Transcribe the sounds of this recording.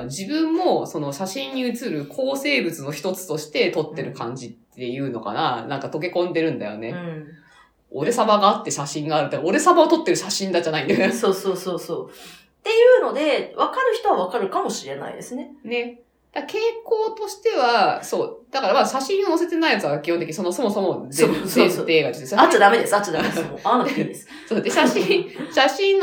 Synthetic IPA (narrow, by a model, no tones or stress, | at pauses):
d͡ʑibɯ̟̃mːo̞so̞no̞ɕaɕĩɲːiɯ̟t͡sɨɾɯ̟kʰo̞ːse̞ːbɯ̟t͡sɨno̞çi̥t̪o̞t͡sɨ̥t̪o̞ɕi̥t̪e̞t̪o̞t̪ːe̞ɾɯ̟kãɲ̟d͡ʑit̪ːe̞jɯ̟ːno̞̰ka̰nanãŋkat̪o̞ke̞kõ̞nd̪e̞ɾɯ̟̃nd̪a̰jo̞̰ne̞ | o̞̰ɾe̞sabaɡaːt̪ːe̞ɕaɕĩŋɡaːɾɯ̟t̪ːeaoɾe̞sabaot̪o̞t̪ːe̞ɾɯ̟ɕaɕĩnd̪ad͡ʑanaĩnd̪esoːsoːsoːsoː | t̪e̞jɯːno̞d̪e̞βakaɾɯ̟çi̥t̪o̞βaβ̞akaɾɯ̟kamo̞ɕiɾe̞na̰ḭd̪e̞sɨnene̞ | d̪̥ake̞ːkoːt̪o̞ɕi̥t̪e̞βaso̞ːd̪̥akaɾamaɕaɕĩɰo̞no̞se̞t̪e̞naijat͡sɨβakʲijo̞nt̪eki̟isonoso̞mo̞so̞mo̞zeẽneːɡat̪et̪eɕaaad̪ame̞d̪esɨat͡ɕad̪aeoaes | soːd̪eɕaɕĩɕaɕĩn